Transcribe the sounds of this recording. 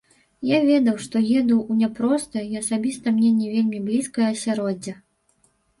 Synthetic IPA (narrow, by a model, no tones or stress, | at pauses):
javʲɛd̪ɐwʂt̪ɔjɛd̪ɐwunʲɛpɾɔst̪ɐjiɐsabʲist̪ɐmnʲɛnʲɛvʲelʲmʲiblʲiskɐjɐɐsʲaɾɔd͡zʲːɐ